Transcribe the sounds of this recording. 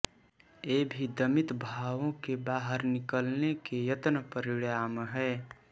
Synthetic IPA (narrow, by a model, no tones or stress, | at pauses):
eːbʱid̪əmɪt̪bʱaːʋõkebaːɦəɾnɪkəlnekejət̪nəpəɾiɽjaːmɦɛː